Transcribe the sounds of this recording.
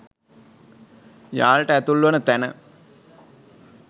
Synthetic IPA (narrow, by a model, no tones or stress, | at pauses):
jaːɭʈəæt̪ulːuʋɐnət̪ænə̰